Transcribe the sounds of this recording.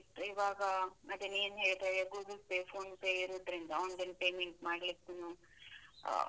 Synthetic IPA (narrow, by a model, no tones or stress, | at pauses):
t̪ːuiʋaːɡɐɐd̪eneːnɦe̞ːɭt̪aːjeɡuːɡlpepʰoːnpeːjiɾuːd̪ɾind̪ɐond̪enpejmeɳʈmaːɖlikːunṵ